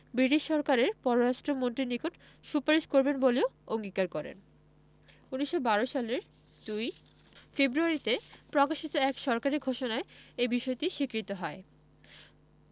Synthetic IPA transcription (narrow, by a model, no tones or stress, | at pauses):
bɾiʈiʃːɔɾkaɾeɾpɔɾoɾaʃʈɾomont̪ɾinikoʈ | ʃupaɾiʃkoɾbenboleooŋɡikaɾkɔɾḛn | uniʃːobaɾoʃaleɾ | d̪̥uj | febɾuaɾit̪epɾɔkaʃit̪oɛkʃɔɾkaɾiɡʱoʃonaeebiʃɔet̪iʃikɾit̪oɦɔe